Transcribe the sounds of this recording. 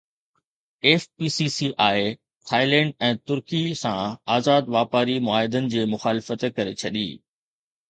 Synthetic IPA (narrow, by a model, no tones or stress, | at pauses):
eːfpiːsisiʔaːe | t̪ʰaːɪlɛ̃ːɳɖɛ̃ːt̪ʊɾkisãaːzaːd̪ʋaːpaːɾimʊaːɦɪd̪ənɪ̆d͡ʑeːmʊxaːlɪfət̪kɐɾet͡ɕʰɐɗḭː